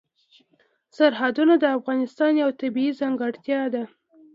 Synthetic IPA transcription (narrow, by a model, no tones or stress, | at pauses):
saɾɦad̪unad̪əafɣɑnɪst̪ɑnjawt̪abiizaŋɡaɽt̪jɑd̪a